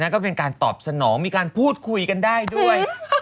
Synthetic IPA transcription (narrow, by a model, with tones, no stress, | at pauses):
na˦˥kɔː˥˩pe˧nkaː˧nt̪ɔː˨˩p̚sa˧nɔː˩˦ŋmiː˧kaː˧npʰuː˥˩t̪̚kʰu˧jka˧ndaː˥˩jdu˥˩əj